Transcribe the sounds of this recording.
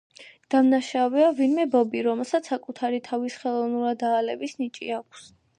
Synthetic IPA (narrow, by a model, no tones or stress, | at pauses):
d̪̥amnaʃavɛavinmɛbɔbiɾɔmɛlˠsat̪sʰːakʼut̪ʰaɾit̪ʰavisχɛlˠɔvnuɾad̪aːlɛbisnit͡ʃʼḭakʷʰs